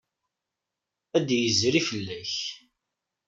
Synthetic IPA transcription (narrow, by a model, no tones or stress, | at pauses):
æd̪jəzɾifəlːæç